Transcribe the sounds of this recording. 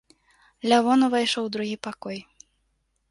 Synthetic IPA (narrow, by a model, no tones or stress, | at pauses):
lʲavɔnɐvajʂɔwd̪ɾuɣʲipakɔj